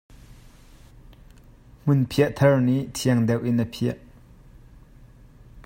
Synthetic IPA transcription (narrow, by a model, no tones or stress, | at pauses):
m̥unpʰiɐʔt̪ʰɐɹnit̪ʰiɐŋd̪ɛwʔinəpʰiɐʔ